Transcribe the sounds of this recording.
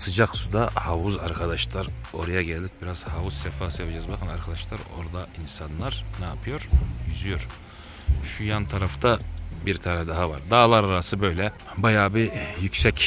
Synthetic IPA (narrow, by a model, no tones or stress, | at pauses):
sɯd͡ʒaksud̪ahavuza̰ɾkʰad̪aʃlˠaɾo̞ɾajaɟɛlʲd̪ic̚biɾaz̥havuz̥sɛfaːsɯjapad͡ʒɛzbakʰɯnaɾkʰad̪aʃlˠaɾo̞̰ɾd̪ainsanlˠaɾnɛapʰɯjo̞ɾjyzyjo̞ɾ | ʃujant̪ʰaɾaft̪ʰabiɾt̪ʰaɾɛd̪aɦavaɾd̪aːlˠaɾaɾasɯbø̞jlʲɛ | bajaːbijycsɛc